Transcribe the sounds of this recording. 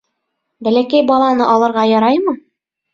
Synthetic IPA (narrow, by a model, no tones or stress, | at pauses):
bælækæjbɑlˠɑnɤʔɒlˠɤ̆ɾʁɑjɒɾɑjmɤ